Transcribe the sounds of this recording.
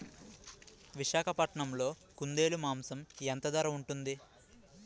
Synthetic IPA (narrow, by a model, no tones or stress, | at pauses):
ʋiʃaːkʰɐpɐʈɐɳɐmlo̞ː | kund̪e̞ːlumaːmsɐment̪ɐd̪ɐɾɐuɳʈund̪i